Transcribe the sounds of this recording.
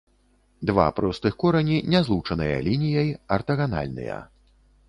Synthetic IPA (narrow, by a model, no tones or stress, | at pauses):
d̪va̰pɾɔst̪ɨxkɔɾɐnʲinʲɛzlˠut͡ʂɐnɨjɐ̰lʲinʲijɐjɐrt̪ɐɣana̰lʲnɨ̰jɐ̰